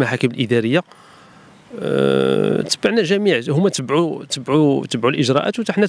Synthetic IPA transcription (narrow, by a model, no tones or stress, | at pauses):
maħakəməlʔəd̪æɾəjːa | t̪əbːaʕnæʒæmiʕhʊmːæt̪əbʕut̪əbʕut̪əbʕulʔəʒɾˤɑʔæ̰t̪wt̪aħnæ